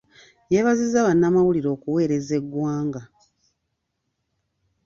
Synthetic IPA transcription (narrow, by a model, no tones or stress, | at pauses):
jeβazizaβanːamawuliɾo̞ːkuwe̞ːɾe̞ze̞ɡwaːŋɡa